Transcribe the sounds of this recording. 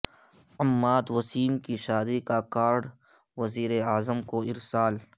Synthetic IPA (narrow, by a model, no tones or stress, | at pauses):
ɐmːaːd̪wɐsiːmkiʃaːd̪ikakaːɾɖʋɐziːɾeaːzəmkoɪɾsaːl